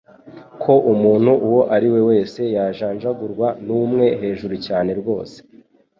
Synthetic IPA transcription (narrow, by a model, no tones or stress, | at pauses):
kʰo̞ʔumuːn̥huʔuwo̞ʔaɾiwe̞we̞ːse̞jaʒaːɲd͡ʒaɡuɾɡwanuːmŋe̞ɦe̞ːʒuɾucaːne̞ɾɡwo̞̰ːse̥